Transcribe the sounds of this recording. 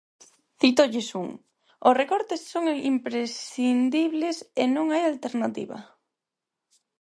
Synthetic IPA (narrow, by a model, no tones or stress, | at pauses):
θit̪oʎɪsuŋ | ʊsrekɔɾt̪esːoŋḭmpɾesind̪iβlesenõŋajalt̪eɾnat̪ḭβɐ̰